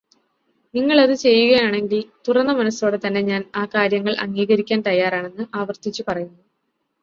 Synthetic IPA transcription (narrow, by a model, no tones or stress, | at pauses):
niŋːɐɭɐðɨt͡ɕe̞jːuɣɐjaːɳe̞ŋɡilt̪urɐnːɐmɐnɐso̞ːɽe̞t̪ɐnːe̞ɲaːnaːkaːɾjɐŋːɐɭʔɐ̰ŋːiːɣɐɾikʲːaːnt̪ɐjːaːraːɳe̞nːɨʔaːʋɐrt̪it͡ɕːupɐrɐjunːu